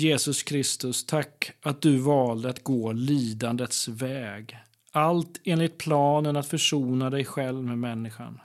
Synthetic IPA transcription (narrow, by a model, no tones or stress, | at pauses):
jeːsɵskʰɾɪst̪ɵst̪ʰakːat̪̚d̪ɵvɑːld̪əat̪ɡoːliːd̪and̪ət̪svɛːɡ | ʔalt̪eːnlɪt̪̚pʰlɑːnənat̪fœʂuːnad̪ɛjɧɛlvmeːmɛnːɪɧa̰n